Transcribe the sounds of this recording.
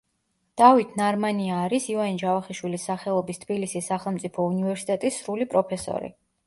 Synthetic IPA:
d̪̥avit̪ʰnaɾmaniaːɾisivanid͡ʒavaχiʃwilisːaχɛlˠɔbist̪ʰbilisisːaχɛlˠmt̪sʼipʰɔunivɛɾsi̥t̪ʼɛt̪ʼisːɾulipʼɾɔpʰɛsɔ̰ɾḭ

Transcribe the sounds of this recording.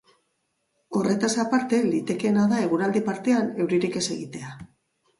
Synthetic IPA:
o̞re̞t̪asapaɾt̪e̞lit̪e̞ke̞naðae̞ɣ̞uɾald̪ipaɾt̪e̞ane̞wɾiɾike̞se̞ɣ̞it̪e̞a

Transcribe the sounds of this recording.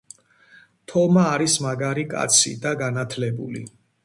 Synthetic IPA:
t̪ʰɔmaːɾismaɡaɾikʼa̰t̪sʰḭd̪aɡanat̪ʰlɛbṵlḭ

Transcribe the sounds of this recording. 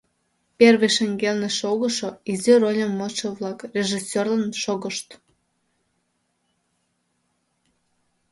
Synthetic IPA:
pʲerβeʃeŋɡelneʃoɣəʃoizyrolʲəmːoʃəβlɑkrʲeʒisʲørlənʃoɣəʃt̪

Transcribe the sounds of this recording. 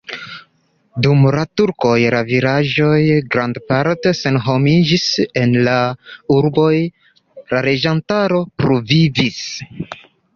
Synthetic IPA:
dumlatuɾko̞jɾaviɾaʒo̞jɡɾandpaɾte̞se̞nɦo̞mid͡ʒise̞nlauɾbo̞j | laɾe̞d͡ʒantaɾo̞pɾovivis

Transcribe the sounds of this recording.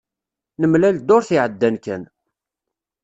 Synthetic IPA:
nəmlæld̪ʊɾθiʕəd̪ːænkæn

